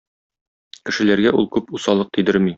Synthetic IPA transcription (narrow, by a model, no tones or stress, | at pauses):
kɘ̆ʃɘ̆læɾɡæʔulˠkʉpusɑlˠɤq̚t̪ĭd̪ɘɾmi